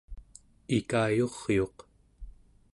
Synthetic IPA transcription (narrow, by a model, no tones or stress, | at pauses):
ikaːjoʁjo̞q